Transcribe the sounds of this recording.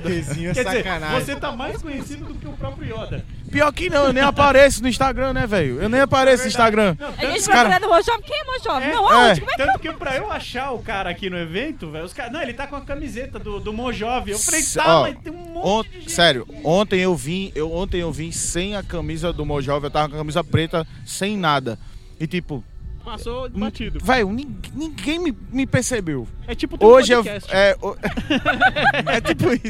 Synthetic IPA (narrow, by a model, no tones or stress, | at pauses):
d̪ezĩɲkɛd͡ʒsizeɾanavoset̪amajskõɲesid̪ʊd̪ʊkɪʊpɾɔpɾjʊiɔd̪ɐ | piɔɾkɪnɐ̃w̃ewnẽj̃apaɾesɪnʊĩst̪aɡɾɐ̃nɛvejʊewnẽj̃apaɾesɪĩʃt̪aɡɾɐ̃ɐ̃w̪̃ɐʒ̃ẽkaɾɐad̪ʊmoʒɔvikeɛmoʒɔvɛnɐ̃w̃aɛkmɛk̪ɐ̃ʊkepɾɐewaʃaɾʊkaɾɐakinʊevẽnt̪ʊvɛjʊskaɾnɐ̃w̃elɪt̪akõɐkɐmizet̪ɐd̪ʊd̪ʊmoʒɔviewej̪aɔt̪ẽj̃ũmõõ | ssɛɾjʊ | õt̪ẽj̃ewvĩewõnt̪ẽj̃ewvĩsẽj̃ɐkɐ̃mizɐd̪ʊmoʒɔviewt̪avɐkõɐ̃kɐ̃mizɐpɾet̪ɐsẽj̃nad̪ɐ | ɪt̪ipʊ | pasõt͡ʃid̪ʊvɛjʊnĩɡnĩɡẽj̃mɪmɪpeɾsebewɛt͡ʃipʊoʒɪewɛo | ɛt̪ipʊisʊ